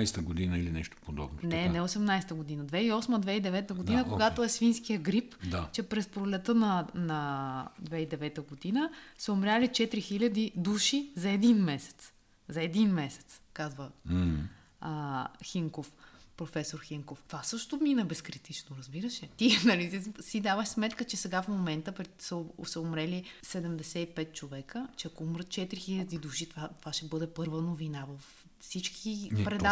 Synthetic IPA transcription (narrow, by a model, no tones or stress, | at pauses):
jst̪əɡod̪inəilinɛʃt̪o̥pod̪ɔ̰bnonɛnɛosɛmnajst̪əɡod̪inəd̪vɛiɔsməd̪vɛid̪ɛvɛt̪əɡod̪inəkoɡat̪oɛsfinskijəɡɾipd̪at͡ʃɛpɾɛspɾolɛt̪ənɐnɐd̪vɛid̪ɛvɛt̪əɡod̪inəsɛomɾʲjalit͡ʃɛt̪ɾixilʲɐd̪id̪uʃizɐɛd̪inmɛsɛ̥t̪s | zɐɛd̪inmɛsɛ̥t̪skazvə | əxiŋkofpɾofɛsoɾxiŋkoft̪vasɤʃt̪ominəbɛskɾit̪it͡ʃnoɾɐzbiɾəʃɛt̪inɐlisid̪avəʃsmɛt̪kət͡ʃɛsɛɡafmomɛnt̪əpɾɛsəsəʊmɾɛlisɛd̪ɛmd̪ɛsɛipɛt̪̚t͡ʃovɛkət͡ʃɛɐkoumɾət̪̚t͡ʃɛt̪ɾixilʲɐd̪id̪uʃit̪vat̪vaʃɛbɤd̪ɛpɤɾvənovinavəf | sit͡ʃkʰipɾɛd̪a